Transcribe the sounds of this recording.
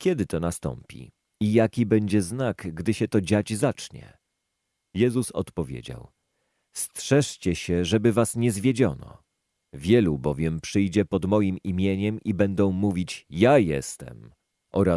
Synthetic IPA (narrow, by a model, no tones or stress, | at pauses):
kʲɛd̪ɘt̪ɔnast̪ɔ̰mpʲḭ | ijakʲibɛɲd͡ʑɛznakɡd̪ɘɕɛt̪ɔd͡ʑad͡ʑzat͡ʂɲɛ̰ | jɛzusɔ̰t̪pɔvʲjḛd͡ʑa̰w | stʂɛʂt͡ɕɛɕɛʐɛbɘvasɲɛzvʲjed͡ʑɔnɔ̰ | vʲjɛlubɔvʲjɛmpʂɘjd͡ʑɛpɔd̪mɔjimimʲjeɲɛmibɛnd̪ɔ̃w̃muvʲit͡ɕjajɛ̰st̪ɛ̰m | ʔɔɾa